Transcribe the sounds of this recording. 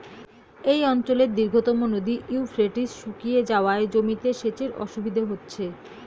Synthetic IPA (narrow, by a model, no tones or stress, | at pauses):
ejɔnt͡ɕoleɾd̪iɾɡʱot̪omonod̪iʔiufɾeʈiʃukijed͡ʑaoaed͡ʑomit̪eʃet͡ɕeɾɔ̰ʃubʱid̪ʱoɦotːɕʰe